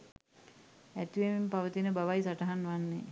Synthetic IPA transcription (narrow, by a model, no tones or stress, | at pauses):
æt̪iʋemimpaʋət̪inəbaʋajsaʈəɦanʋanːḛ